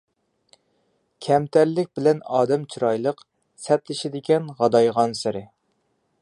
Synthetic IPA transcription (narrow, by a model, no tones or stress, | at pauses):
kʲʰɛmt̪ʰæɾlɪk̚ʲbɪlɛnɑːd̪ɛmt͡ʃʰiɾɑjlˠəq | sɛt̪lɪʃɪd̪ɪkʲɛnʁɑd̪ɑjʁɑnsɪɾɪ